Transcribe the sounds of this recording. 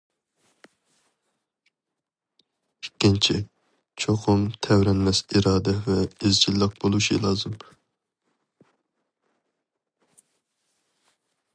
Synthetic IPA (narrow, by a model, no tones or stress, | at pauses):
ikʲːint͡ʃʰi | t͡ʃʰoqʰʊmt̪ʰɛwɾɛnmɛsiɾɑːd̪ɛvɛezd͡ʒʰilːəq̚bolˠuʃḭlˠɑːzɨm